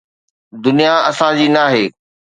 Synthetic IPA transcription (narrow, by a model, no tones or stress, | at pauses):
d̪ʊnijaɐsãd͡ʑiːnaːɦeː